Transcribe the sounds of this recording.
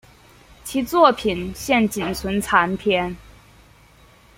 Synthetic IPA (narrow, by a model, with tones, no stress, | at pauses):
t͡ɕʰi˧˥t͡swɔ˥˩pʰi˨˩nɕjɛ˥˩nt͡ɕi˨˩nt͡sʰwə˧˥nt͡sʰa˧˥npʰjɛ˥n